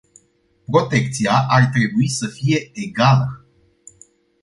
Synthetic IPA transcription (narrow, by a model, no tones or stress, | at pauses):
pɾo̞t̪e̞k̚t̪siaʔart̪ɾe̞buisəfije̞eɡalə